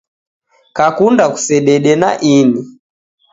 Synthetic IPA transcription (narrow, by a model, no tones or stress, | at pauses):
kakundaku̥sɛɗɛɗɛna̰ʔini